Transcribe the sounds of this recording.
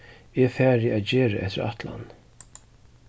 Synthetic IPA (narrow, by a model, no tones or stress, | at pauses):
ɛfæːɾɪaːt̪d͡ʑeːɹaʔɛht̪ɪɾa̰t̪la̰n